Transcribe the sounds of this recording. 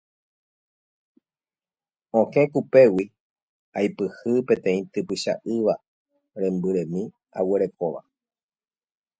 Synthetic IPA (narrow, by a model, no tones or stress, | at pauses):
õkẽ̞kupe̞wi | ajpɨhɨpẽ̞t̪ẽ̞ĩt̪ɨpɨʃa̰ʔɨʋa | ɾẽ̞mbɨɾẽ̞mĩ | a̰weɾe̞ko̞ʋa̰